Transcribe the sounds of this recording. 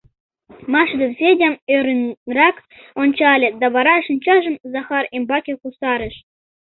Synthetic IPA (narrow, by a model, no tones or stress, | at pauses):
mɑʂd̪ɤ̆sʲedʲemøɾʲɘnrɑk | onʲt͡ɕɑlʲĕd̪ɑβɑɾɑʂɤ̆nʲt͡ɕɑʒɤ̆mzɑχɑrimbɑkʲekusɑɾɘ̆ʃ